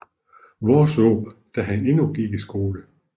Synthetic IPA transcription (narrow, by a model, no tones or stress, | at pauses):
ʋɒːso̰ːb̥d̥æɦæne̝nuɡ̥iɡ̥isɡ̥o̝ːlə